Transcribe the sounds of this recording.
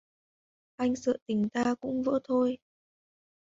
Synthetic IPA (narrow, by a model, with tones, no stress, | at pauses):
ʔa˧jŋ̟sɨ̰ː˧˨t̪ï˨˩˦ŋ̟t̪aː˧kʊ̰˧˥ŋ͡mvə̰ː˧˥t̪ʰo˧j